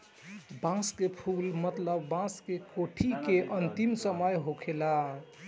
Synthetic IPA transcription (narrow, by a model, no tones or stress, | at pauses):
bãskepʰulmət̪ləbːãskekoʈʰikeʔənt̪imsəməjɦokʰela